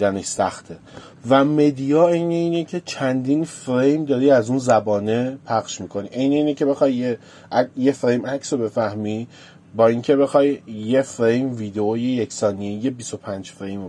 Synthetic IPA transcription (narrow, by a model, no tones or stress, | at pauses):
d̪æneʃsæxt̪ʰe | væme̞d̪ijɒːejneiːnecʰe̞t͡ʃʰænd̪iːnfɾejmd̪ɒːɾiːæzuːnzæbɒːne̞pʰæχʃmiːkʰo̞niʔejneiːnecʰe̞be̞xɒjːe | je̞fɾejmæcʰsobe̞fæhmi | bɒːiŋcʰe̞be̞xɒːjːe̞fɾejmviːd̪eojejecʰsɒːnijeje̞biso̞pʰænd͡ʒfɾejmo